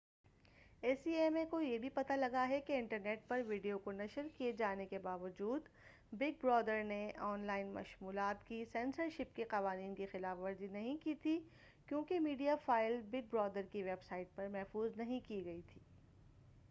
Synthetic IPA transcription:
eːsieːmekojebʱipɐt̪alɐɡaɦɛkeɪ̃ɳʈəɾneːʈ̚pɐɾʋiːɖijokonɐʃəɾkied͡ʒaːnekebaːʋəd͡ʒuːd̪ | bɪɡ̚bɾɔːd̪əɾneʔɔːnlaːɪnmɐ̰ʃmuːlaːt̪kisɛ̃ːnsəɾʃɪpkeqɐʋaːniːnkixɪlaːfʋɐɾzinɐɦĩkiːt̪ʰi | kjõːkemiːɖijafaːɪlbɪɡ̚bɾɔːd̪əɾkiʋeːbsaːɪʈ̚pɐɾmɛɦfuːznɐɦĩkiɡɐit̪ʰiː

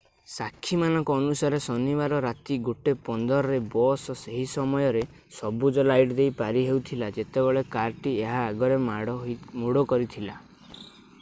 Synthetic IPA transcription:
sakʰːimanɔŋkɔːnusaɾesɔnibaɾɔɾat̪iɡuʈepɔnd̪ɔɾɔɾebɔsɔseɦisɔmɔjɔɾe | sɔbud͡ʒɔlajʈd̪ejpaɾiɦewt̪ʰilad͡ʒet̪ebeɭekaɾʈieɦaːɡɔɾemaɽɔmuɽɔkɔɾit̪ʰila

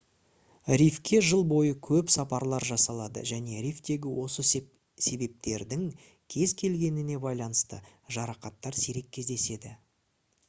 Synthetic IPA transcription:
ɾʲifkʲe̞ʒəlˠbo̞jəkʲʰɵpsɑpɑɾlˠɑɾʒɑsɑlˠɑd̪ə̰ʒæne̞ɾijft̪e̞ɡʲɪwʔo̞sə | se̞be̞p̚t̪e̞ɾd̪ɪŋ | kʲʰe̞zkʲʰe̞lɡʲe̞nɪne̞bɑjlˠɑnəst̪ə̰ʒɑɾɑqɑt̪ːɑɾsiɾe̞kʲʰːe̞zd̪e̞se̞d̪ɪ

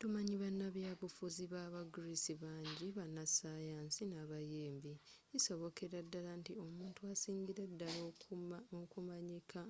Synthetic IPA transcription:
tumaɲiβanːaβjaːβufuziβaːβaɡuɾisiβaːɲɟiβanasaːjaːnsinaβajeːmbiː | so̞βo̞kʰe̞ɾadːalantio̞muːntuasiːɲɟiɾadːalookumaɲikʰa

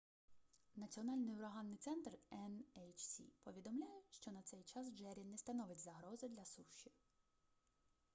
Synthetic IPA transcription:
nɐt͡sʲiɔnɑlʲnɪjʊɾɐɦɑnːɪjt̪sɛnt̪rɛnɛjt͡ʃsʲḭpɔʋʲid̪ɔmlʲajɛʃt͡ʃɔnɐt̪sɛjt͡ʃɑsd͡ʒɛɾʲinɛst̪ɐnɔʋɪtʲzɐɦɾɔzɪd̪lʲɐsuʃi

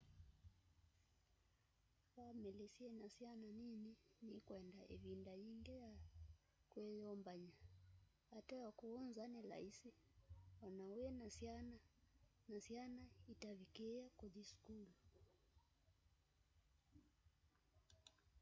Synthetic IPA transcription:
wamɛlɛsiɛnasiananininikwɛndaʔɛvindaiŋɡɛja | kwɛjɔmbaɲa | atawakuɔnzanɛla̰isiwanauɛnasinanasianaitavikɛakɔʄisu̥kulu

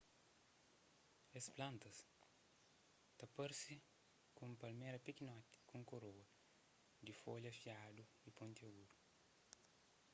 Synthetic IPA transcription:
esplãnt̪ɐs | t̪ɐpeɾsi | kũmpɐlmeɾɐpikinɔt̪i̥kũŋkoɾowɐ | d̪ifoʎɐfjad̪u | ipõnt̪ɐɡuɾu

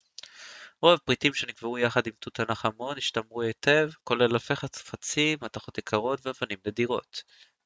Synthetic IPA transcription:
ʁovpʁitimʃenikveujaχadimt̪utanaχamo̞niʃtamʁuete̞vko̞lelalfeχat͡sfat͡simːataχo̞tikʰaʁo̞tveavanimlediʁo̞̰t

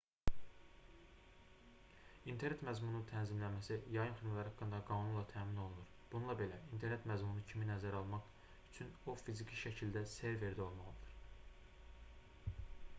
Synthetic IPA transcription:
int̪ʰe̞ɾne̞t̪mæzmunut̪ʰænzimlænmæsijɑjɯnχinlæɾhɑkːɯnd̪ɑɡɑːnunlˠɑt̪ʰæːmino̞lˠunuɾb̥ununlˠɑbe̞læint̪ʰe̞ɾne̞t̪mæzmunucʰiminæzæɾɑlˠmɑχ | yt͡ʃʰyno̞fizicʰiʃæcʰild̪æse̞ɾve̞ɾd̪io̞lˠmɑʁɯd̪ɯɾ̥

